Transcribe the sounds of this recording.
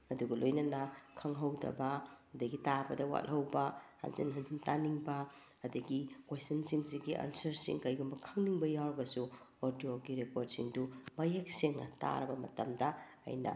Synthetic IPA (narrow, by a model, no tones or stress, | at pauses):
ɐduɡɐlojnɐnɐkʰɐŋɦɐwdɐ̰bɐɐdɐɡitabɐdɐwa̰lhɐwbɐha̰nsḭnɦɐndintaniŋbɐ | ɐdɐɡikwestɐnsiŋsiɡiʔa̰nsɐɾsḭŋkɐjɡumbɐkʰɐŋniŋbɐjawɾɐɡɐsuoɾdoɡiɾepoɾt̚siŋdumɐjek̚seŋɐ̰ta̰ɾɐbɐmɐ̰tɐmdɐɐ̰jnɐ̰